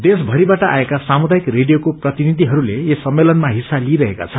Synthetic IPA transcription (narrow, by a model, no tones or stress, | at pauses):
d̪esbʱʌɾibaʈʌʔa̰ekasamud̪aikreɖijokoprʌt̪inid̪ʱiɦʌɾuleesʌmːelʌnmaɦisːaliɾʌɦeka̰t͡sʰʌ